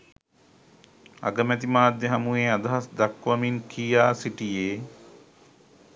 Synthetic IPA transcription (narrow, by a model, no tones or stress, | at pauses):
a̰ɡəmæt̪imaːd̪jeɦɐmueːad̪ɐɦasd̪ɐkʋɐminkʰijaːsiʈijeː